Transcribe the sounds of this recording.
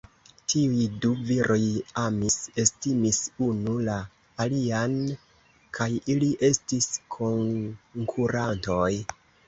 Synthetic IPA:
tʰiujduviɾʔo̞jamise̞stimisunulaː | lian | kʰajiliʔe̞stiskʰo̞ŋkʰuɾanto̞j

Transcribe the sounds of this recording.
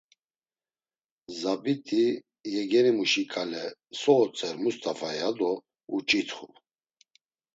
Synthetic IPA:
zabit̪ʼi | jɛɡɛɾimuʃikʼalɛsɔːt͡sʼɛɾmust̪ʰʼafajad̪ɔ | ut͡ʃʼit̪ʰχu

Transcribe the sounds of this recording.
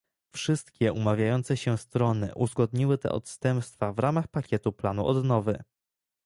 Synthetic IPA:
fʂɘst̪kʲɛʔumavʲjajɔnt̪sɛɕɛst̪ɾɔnɘ̰ʔuzɡɔd̪ɲiwɘt̪ɛ̰ʔɔ̰t̪st̪ɛmpst̪favɾamaxpakʲɛt̪uplanṵʔɔd̪nɔvɘ

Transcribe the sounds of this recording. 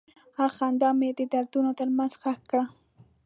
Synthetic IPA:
axand̪ɑmed̪əd̪aɾd̪unot̪əɾmanz̥xaxkːɽa

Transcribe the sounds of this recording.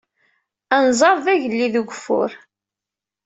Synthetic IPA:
ænzˤɑɾˤðæʝəlːiðuɡʷfʊ̰ɾ

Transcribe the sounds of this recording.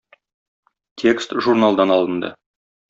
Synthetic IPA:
t̪ʲʰe̞kst̪ʒurnalˠd̪ɑnɑlˠə̆nd̪ə̰

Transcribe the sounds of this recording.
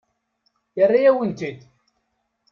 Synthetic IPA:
jərːajæwənt̪id̪

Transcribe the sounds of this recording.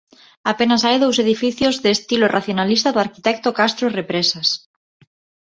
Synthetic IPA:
apenasajðows̬eðifiθjozðeːst̪ilorʔaθjonalist̪aðoaɾkit̪ɛk̚t̪okast̪ɾorepɾesas

